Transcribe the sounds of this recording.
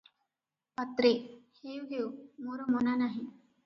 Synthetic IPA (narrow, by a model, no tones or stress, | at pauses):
pat̪ɾehewɦewmoɾomɔnanaɦĩ